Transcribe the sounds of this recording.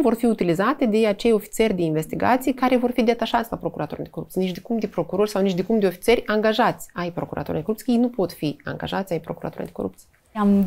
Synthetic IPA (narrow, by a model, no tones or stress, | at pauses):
vo̞rfiut̪ilizat̪e̞d̪e̞at͡ʃe̞jo̞fi̥t̪sie̞rʲd̪e̞inve̞st̪iɡa̰t̪sijkaɾe̞vo̞rfid̪e̞t̪aʃat̪sʲlapɾo̞kuɾʔat̪uɾa̰niko̞ɾṵpt̪sijnit͡ʃd̪ekumd̪epɾo̞kuɾo̞rʲsawnit͡ʃd̪ekumpd̪eo̞fi̥t̪ie̞rʲaŋɡaʒat̪sʲajpɾo̞kuɾʔa̰t̪uɾad̪ekoupt̪ijjejnupo̞t̪fia̰ŋɡa̰ʒat̪sʲajpɾo̞kuɾat̪uɾa̰niko̰ɾṵp̚t̪sieam